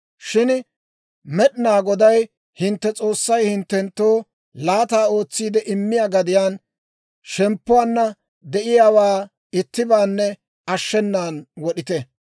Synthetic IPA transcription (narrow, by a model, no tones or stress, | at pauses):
ʃɪn | mɛɗɪnaːɡɔd̪ɐj | hɪnt̪ːɛt͡sʼo̞ːsːɐjhɪnt̪ːɛnt̪ːoː | laːt̪aːo̞ːt͡sːiːd̪ɛʔɪmːɪjaːɡɐd̪ɪjaːn | ʃɛmpːʊwaːnːɐ | d̪ɛʔɪjaːwaː | ɪt̪ːɪbaːnːɛ | ɐʃːɛnːaːnwɔɗɪt̪ɛ